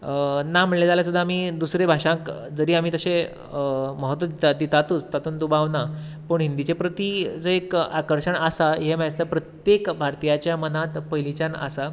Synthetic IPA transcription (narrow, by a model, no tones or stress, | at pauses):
nam̤əʈled͡zaljasud̪ʱːaamiːd̪usɾebʱaʂãŋkd͡zəɾiːam̤iːt̪əɕẽ | məɦət̪ʋəd̪ad̪it̪at̪uːt͡st̪at̪uːnd̪ubaʋna | pəːɳɦind̪it͡ɕepɾət̪id͡zəekakəɾʂəɳasaɦemast̪əpɾət̪jekbʱaɾt̪ijat͡ɕjamənat̪pəjlit͡ɕana̰sa